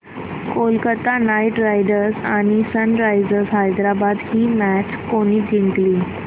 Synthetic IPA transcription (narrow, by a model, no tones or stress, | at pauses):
kolkət̪anajʈɾajɖəɾsaɽ̃isənɾajzəɾsɦajd̪ɾabad̪hiːmæʈʰkoɽ̃iːt̪iɳʈliː